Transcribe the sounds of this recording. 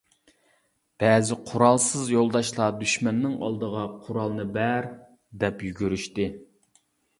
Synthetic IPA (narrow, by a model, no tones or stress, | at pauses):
b̥ɛzɪqʰʊɾɑlˠsɨzjolˠd̪ɑʃlˠɑd̪yʃmɛnːɪŋɑ̰lˠd̪əʁɑqʰʊɾɑlˠnɨbæɾ | d̪ɛpjyɡʲyɾyʃt̪ɪ